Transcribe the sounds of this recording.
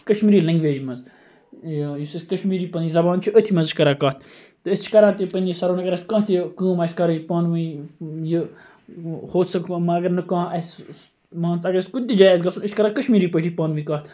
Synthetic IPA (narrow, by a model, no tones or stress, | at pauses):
kəʃmiːɾiːlɐ̃ŋɡʋeːd͡ʒmɐnz | jisiskəʃmiːɾiːpɐnizɐbaːnt͡ʃʰuʔət̪ʰimɐnzit͡ʃʰʲkɐɾãːkaːt̪̚ʰ | t̪ɨəst͡ʃʰi̥kɐɾãːt̪ipɐnʲisɐɾoːnɐkɐɾɐskãːɦt̪ʰjikɨ̃ːmɐskɐɾɨjipaːnʋɨji | hoːt̪sɐmɐɐɡɐɾnɨkãːɐss | mãːnt͡sɐɡɐɾɐsʲkud̪̚ʲt̪id͡ʒaːjɐs̬ɡɐsunɨʃt͡ʃʰkɐɾãːkəʃmiːɾiːpəʈʰiːpaːnʋĩːkaːt̪ʰ